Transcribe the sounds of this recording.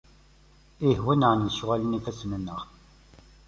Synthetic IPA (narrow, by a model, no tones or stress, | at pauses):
ihwænʕənjʃʁælənifæsmənːəʁ